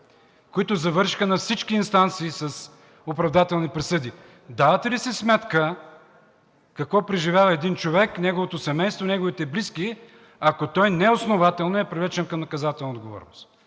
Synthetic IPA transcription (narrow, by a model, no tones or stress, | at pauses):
koit̪ʊzɐvɤɾʃi̥xənɐfsit͡ʃkiːnst̪ant̪siːsɐs | opɾɐvd̪at̪ɛlˠnipɾɛsɤd̪i | d̪avɐt̪ɛlisɛsmɛt̪kə | kɐkvɔpɾɛʒivʲjavɐɛd̪int͡ʃovɛknʲɛɡovot̪osɛmɛjst̪vonʲɛɡovit̪ɛbliski | ɐkot̪ɔjnɛʊsnovat̪ɛlˠnoɛpɾʲivlɛt͡ʃɛnkɐmnɐkɐzat̪ɛlˠnɐod̪ɡovɔ̰ɾno̰st̪